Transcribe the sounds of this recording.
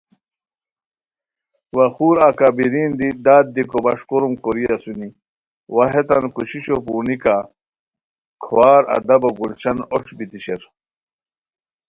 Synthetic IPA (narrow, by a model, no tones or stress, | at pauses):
wɐxuːɾakabiɾiːnd̪id̪aːd̪̚d̪ikobɐʂkoɾumkoɾiɐsuni | waɦet̪ɐnkuɕiɕopuːnika | kʰwaːɾɐ̰d̪ɐbɐɡult͡ɕʰɐnoʂbit̪iɕeɾ